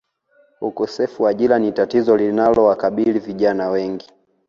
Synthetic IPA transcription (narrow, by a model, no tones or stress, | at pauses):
ukɔsɛfuwaʄilanitatizɔlinalɔwakaɓiliviʄanawɛŋɡi